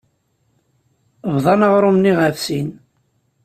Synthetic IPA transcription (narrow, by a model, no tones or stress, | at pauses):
vðˤɑnəʁɾˤumniʁafsin